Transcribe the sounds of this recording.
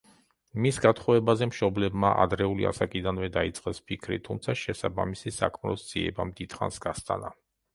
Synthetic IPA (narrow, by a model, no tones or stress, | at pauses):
misɡat̪ʰχɔvɛbazɛmʃɔblɛbmaʔa̰d̪ɾɛulḭa̰sakʼid̪anvɛd̪ait̪sʼqʼɛspʰikʰɾḭt̪ʰumt̪sʰaʃɛsaba̰misisa̰kʰmɾɔsd̪z̥iɛ̰bamd̪id̪χa̰nsɡ̥ast̪ʼa̰na